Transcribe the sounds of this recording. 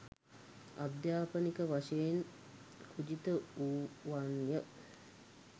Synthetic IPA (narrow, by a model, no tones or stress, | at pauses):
a̰d̪jaːpənikəʋaʂejen | kʰud͡ʒit̪əuʋanjə